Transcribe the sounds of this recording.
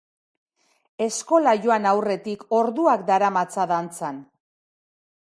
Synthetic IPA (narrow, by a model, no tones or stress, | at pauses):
e̞sko̞laʝo̞anawre̞t̪iko̞ɾðuakd̪aɾamat͡saðant͡san